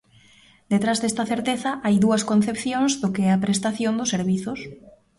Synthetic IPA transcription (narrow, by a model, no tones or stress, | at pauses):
d̪et̪ɾazðɛst̪ɐθeɾt̪eθɐʔajðuɐskõnθepθjõŋzðʊkeɛɐpɾest̪aθjond̪ʊseɾβiθʊs